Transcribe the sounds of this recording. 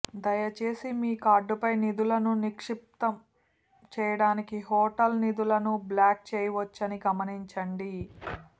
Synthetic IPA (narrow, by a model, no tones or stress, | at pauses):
d̪ɐjɐt͡ʃeːsimiːkaːɖːupɐjnid̪ulɐnunikʂip̚t̪ɐm | t͡ʃɛːjɐɽaːnikiɦɔːʈɐlnid̪ulɐnublaːk̚t͡ʃɛːjɐʋɐt͡ʃːɐniɡɐmɐniɲt͡ʃɐɳɖi